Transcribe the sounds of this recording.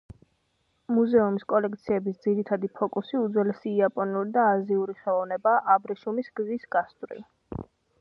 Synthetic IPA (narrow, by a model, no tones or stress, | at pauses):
muzɛumiskʼɔlɛk̚t̪sʰiɛbisd̪ziɾit̪ʰad̪ipʰɔkʼusiud̪zwɛlɛsiːapʼɔnuɾid̪aːziuɾiχɛlˠɔvnɛbaːʔabɾɛʃumisɡ̥zisɡ̥ast̪ʼɾḭ